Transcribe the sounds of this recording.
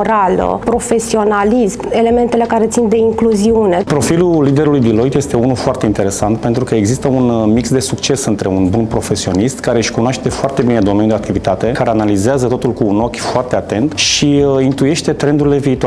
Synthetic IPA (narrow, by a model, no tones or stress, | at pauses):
ɾalə̰pɾo̞fe̞sio̞nalisme̞le̞me̞nt̪e̞le̞kaɾet̪sind̪e̞iŋkluziune̞pɾo̞filulid̪e̞ɾulujd̪ilo̞jt̪je̞st̪e̞unulfoart̪e̞int̪e̞ɾe̞sant̪pe̞nt̪ɾukəe̞ɡzist̪əunmiksd̪e̞sukt͡ʃe̞sɨnt̪ɾe̞unbunpɾo̞fe̞sio̞nist̪kaɾe̞ɨʃkunaʃt̪ed̪efoart̪e̞bine̞d̪o̞menʲjud̪e̞akt̪ivit̪at̪e̞kaɾeanalizeazət̪o̞t̪ulkuːno̞kʲfoart̪e̞at̪e̞nt̪ʃiint̪uje̞ʃt̪e̞t̪ɾe̞nd̪uɾile̞viːt̪oa